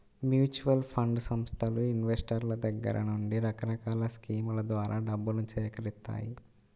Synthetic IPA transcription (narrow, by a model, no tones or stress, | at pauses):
mjuːt͡ʃuʋɐlpʰɐɳɖsɐmst̪ʰɐluinʋesʈɐɾlɐd̪ɐɡːɐ̰ɾʔɐ̰nuɳɖiɾɐkɐɾɐkaːlɐskiːmulɐd̪ʋaːɾʔaːɖɐbːunut͡ʃiɛkɐɾist̪ːa̰ːji